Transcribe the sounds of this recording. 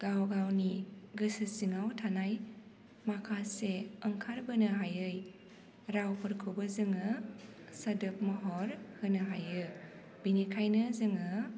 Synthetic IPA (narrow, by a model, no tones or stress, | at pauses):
ɡ̥awɡawniɡɯsɯsiŋawtʰanaj | makʰaseəŋkʰaɾbɯnɯɦajɯj | ɾawpʰɯɾkʰɯbɯzɯŋɯ | sadɯp̚mɔɦɔɾhɯnɯɦajɯ | binikʰajnɯzɯŋɯ